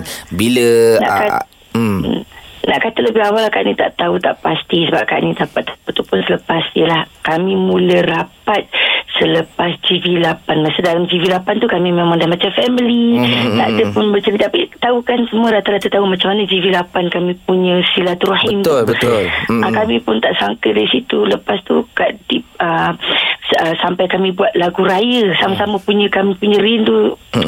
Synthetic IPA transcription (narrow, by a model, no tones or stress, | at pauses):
biləna̰ka | na̰ʔkat̪aləbɪɦawalaka̰ʔnit̪a̰ʔt̪aut̪a̰ʔpast̪isəbap̚ka̰ʔnit̪apat̪ət̪upʊnsələpasjəlahkamĩmuləɾapat̪̚sələpasd͡ʒivilapanmasudalamd͡ʒivilapant̪ukamĩmemãŋdamat͡ʃafɛmilit̪adəpʊnbət͡ʃəɾit̪apit̪aukansəmũəɾat̪aɾat̪at̪aumat͡ʃamːanəd͡ʒivilapankamĩpuɲə̃silat̪ɾuhint̪bələkamĩpʊnt̪aʔsaŋkədaɾisit̪uləpast̪ṵkadip̚ə | əsampajkamĩbuat̪̚laɡuɾajəsamasaməpuɲə̃kamĩpuɲə̃ɾindu